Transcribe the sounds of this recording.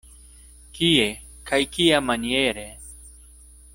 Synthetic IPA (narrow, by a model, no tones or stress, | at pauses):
kije | kʰajkijamɐnijeːɾe